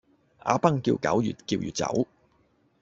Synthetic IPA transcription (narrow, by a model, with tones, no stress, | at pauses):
ʔa̰ː˧pɐ˥ŋkiː˧wkɐ˨˥wjyː˨t̚kiː˧wjyː˨t̚t͡sɐ̰˨˥w